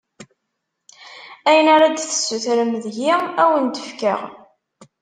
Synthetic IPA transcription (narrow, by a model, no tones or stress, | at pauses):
æjənaɾad̪θə̥sːuθɾəmðʝiæwənd̪əfkə̰ʁ